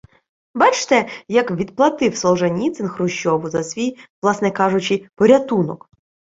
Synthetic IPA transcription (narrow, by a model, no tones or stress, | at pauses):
bɑt͡ʃt̪ɛjɐkʋʲid̪̚plˠɐt̪ɪwsɔlˠʒɐnʲit̪sɪnxrʊʃt͡ʃːɔʋʊzɐsʲʋʲijʋlˠɑsnɛkɑʐʊt͡ʃɪpɔɾʲɐt̪unɔk